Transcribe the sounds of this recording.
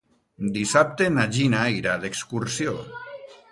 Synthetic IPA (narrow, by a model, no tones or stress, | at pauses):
d̪isap̚t̪enaʒinaiɾadekskuɾsjo